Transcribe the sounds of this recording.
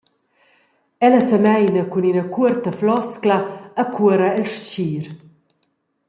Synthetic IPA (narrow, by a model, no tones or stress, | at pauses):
ɛlasəmɛjnɐkuninɐkuəɾt̪əflɔsklaːkʰuəɾaɛlʃt͡ɕiːɾ